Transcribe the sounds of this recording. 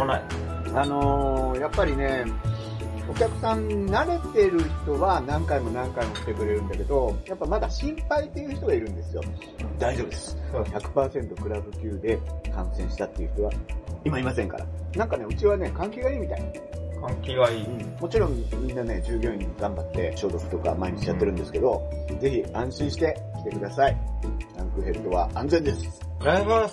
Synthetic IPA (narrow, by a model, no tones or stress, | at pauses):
nai | ano̞japːaɾʲine̞ | o̞kʲakɯ̟̥sãnnaɾe̞t̪e̞ɾɯ̟çi̥t̪o̞βanãŋkaimo̞nãŋkaimo̞ɕi̥t̪e̞kɯ̟ɾe̞ɾɯ̟̃nd̪ake̞d̪o̞japːamad̪aɕĩmpait̪ːe̞jɯ̟ːçi̥t̪o̞ɡaiɾɯ̟̃nd̪e̞sɨjo̞̰ | d̪aiʑo̞ːbɯd̪esçakɯ̟̥paːsẽ̞nt̪o̞kɯ̟ɾabɯ̟kʲɨːd̪e̞kã̰ɰ̃sẽ̞ɰ̃ɕi̥t̪at̪ːe̞jiɯ̟çi̥t̪o̞βaimaimasẽŋka̰ɾa̰nãŋkane̞ɯ̟t͡ɕiβane̞kãŋkʲiɡaiːmʲit̪ain | kʰãŋkʲiɡaiɯ̟̃ɴmo̞t͡ɕiɾõ̞mmʲĩnːane̞d͡ʑɨːɡʲo̞ɲ̟iɡãmbat̪ːe̞ɕo̞ːd̪okɯ̥t̪oka̰maiɲ̟it͡ɕijat̪ːe̞ɾɯ̟̃nd̪e̞sɨ̥ke̞d̪o̞d͡ze̞çiãɰ̃ɕĩɰ̃ɕi̥t̪e̞kʲi̥t̪e̞kɯ̟d̪asaiãŋkɯ̟ɦe̞ɾɯ̟t̪o̞βaãnd͡zend̪e̞sɨ̥aa